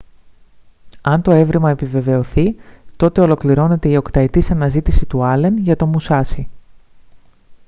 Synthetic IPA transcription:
ɐnt̪o̞e̞vɾimɐe̞pive̞ve̞o̞θit̪o̞t̪e̞o̞lo̞kliɾo̞ne̞t̪e̞io̞kt̪ɐet̪isɐnɐzit̪isit̪uɐle̞nʝɐt̪o̞musɐsi

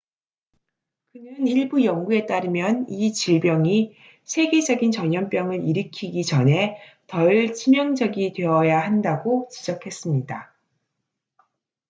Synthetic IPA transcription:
kɯnɯniɭbujʌŋɡue̞t͈aɾɯmjʌnit͡ɕiɭbjʌŋi | sʰe̞ɡe̞d͡ʑʌɡint͡ɕʌɲʌmp͈jʌŋɯɾiɾɯkʰiɡit͡ɕʌne̞ | tʌiɭt͡ɕʰimjʌŋd͡ʑʌɡitwe̞ʌjahandaɡot͡ɕid͡ʑʌkʰe̞s͈ɯmɲida

